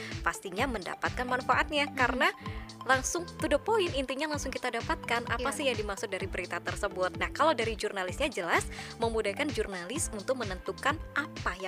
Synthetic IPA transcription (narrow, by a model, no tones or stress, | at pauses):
past̪iɲamənda̰pat̪̚kanmanfaʔat̪̚ɲakaɾənalaŋsʊŋt̪udəpoɪnint̪iɲalaŋsʊŋkit̪adapat̪̚kanʔa̰asɪhjaŋdimaksʊk̚daɾibəɾit̪at̪ərsəbʊt̪̚nahkalawdaɾid͡ʒurnalɪsɲad͡ʒəlasməmudahkand͡ʒurnalɪsunt̪ʊk̚mənənt̪ukanʔapaja